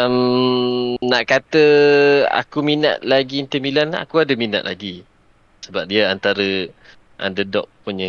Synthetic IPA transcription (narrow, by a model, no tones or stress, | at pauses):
m | naʔkat̪əa̰kumina̰t̪̚laɡint̪əmilana̰kuadəmina̰tʔ̪̚la̰ɡi | səbap̚diaant̪aɾə | ʔa̰ndədɔ̰ʔ̚puɲə